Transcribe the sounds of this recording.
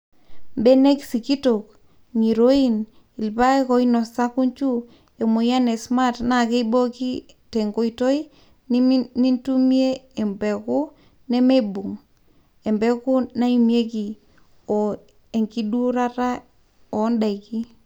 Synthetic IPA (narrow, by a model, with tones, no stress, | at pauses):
mbe˦ne˦ksi˨ki˦to˨k | ŋi˨ɾo˦i˦n | i˨lpa˦e˦kɔ˦inɔ˨sa˦ku˦ɲt͡ʃu˦ | e˨mo˨ja˦ne˨sma˦tna˨ke˦ibo˦ki˦ | te˨ŋɡo˦ito˦i˦ | nni˦ntu˦m˦e˦e˨mbɛ˨ku˦ | ne˦me˦bu˨ŋ | e˨mbɛ˦ku˦na˦i˦mje˦ki˨ | ɔ˨ | e˨ŋki˦du˦ɾa˦ta˦ | ɔ˨˦nda˨iki˦